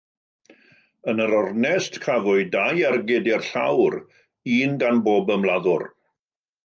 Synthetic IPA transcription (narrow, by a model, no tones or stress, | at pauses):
ənəɾɔrnɛstkʰavʊɨdajarɡɪdɪrɬa̰wɾ | iːnɡanboːbəmlˠaðʊr